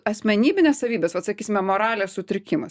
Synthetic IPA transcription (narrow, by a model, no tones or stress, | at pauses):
ɐsʲmʲɛnʲiːbʲɪnʲeːsɐʋʲiːbʲeːsʋɐt̪sɐkʲiːsʲɪmʲɛmoːɾɑːlʲɛːssʊt̪ʲɾʲɪkʲɪmɐs